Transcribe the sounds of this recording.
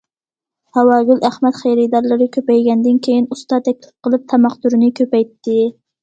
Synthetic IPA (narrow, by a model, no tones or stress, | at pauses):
hɛwɑːɡʲylæhmɛt̪χejɾɨd̪ɑɾlˠɨɾɨkʲʰøpɛjɡʲɛnd̪ɪnkʲʰejinust̪ɑt̪ʰɛkʲlɪ̥p̚qʰəlˠɨp̚t̪ʰɑmɑχt̪uɾɨnɪkʲʰøpɛjt̪ːɪ